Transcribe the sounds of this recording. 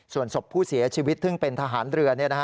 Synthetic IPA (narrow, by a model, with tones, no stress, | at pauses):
su˨˩ənso˨˩pʰːuː˥˩si˩˦ɐt͡ɕʰiː˧wi˦˥t̪ʰːɯ˥˩ŋpe˧nt̪ʰa˧ɦaː˩˦nɾɯ˧ɐni˥˩na˦˥